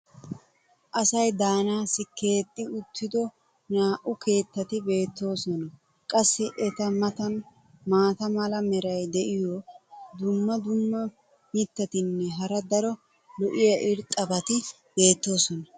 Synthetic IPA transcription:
ʔɐsɐjd̪aːnaːsɪke̞ːt̪ʼːɪʊt̪ːɪd̪ɔ | naːʔʊke̞ːt̪ːɐt̪ɪbe̞ːt̪ːo̞ːsɔnɐ | kʼɐsːɛʔɛt̪ɐmɐt̪ɐn | maːt̪ɐmɐlɐmɛɾɐjd̪ɛʔɪjɔd̪ʊmːɐd̪ʊmːɐ | mit̪ːɐt̪ɪnːɛɦɐɾɐd̪ɐɾɔ | lɔʔɪjɐʔɪɾt̪ʼɐbɐt̪ɪ | b̥e̞ːt̪ːo̞ːsɔnɐ

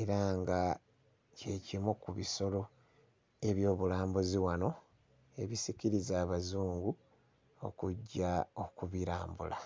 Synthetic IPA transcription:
e̞ɾaŋɡa | ce̞cimukuβiso̞lo̞ | e̞βjo̞ːβulaːmbuziwano̞ | e̞βisiciɾizaːβazuːŋɡu | o̞̰kuɟːaokuβiɾaːmbṵla

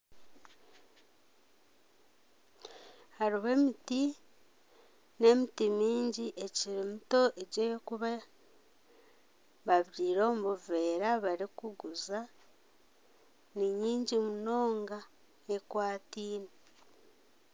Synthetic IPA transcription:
haɾiβe̞ːmiti | ne̞mitimiːɲɟiʔe̞ciɾimuto̞ʔeɟejokuβa | βaβɾiːɾo̞ːmuβuve̞ːɾaβaɾikuɡuza | niɲiːɲɟimuno̞ːŋɡa | e̞kwaːtiːne

